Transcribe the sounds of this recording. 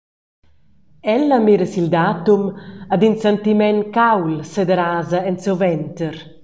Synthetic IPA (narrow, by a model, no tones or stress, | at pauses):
ɛlːamiɾəsild̪aːt̪umad̪insant̪imɛnkawlsed̪eɾaːzaɛnsovɛnt̪əɾ